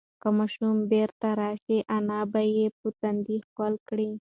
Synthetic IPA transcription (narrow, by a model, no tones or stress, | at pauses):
kəmɑʃumbeɾt̪aɾɑʃiʔanɑbajepət̪and̪ixalkɽi